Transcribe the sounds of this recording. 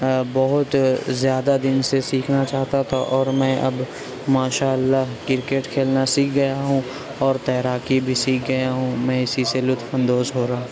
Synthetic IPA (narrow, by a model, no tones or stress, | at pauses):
bɐɦʊt̪zjaːd̪ad̪ɪnsesiːkʰnat͡ʃaːɦt̪at̪ʰaʔɔːɾmɛ̃ːʔɐ̰b | maːʃaːəlːaɦkɪɾkeːʈkʰeːlnasiːk̚ɡɐjaɦũ | ɔːɾt̪ɛɦɾaːkibʱisiːk̚ʰɡɐjaɦũmɛ̃ːɪsiselʊt̪fə̃nd̪oːzɦoːɾaãː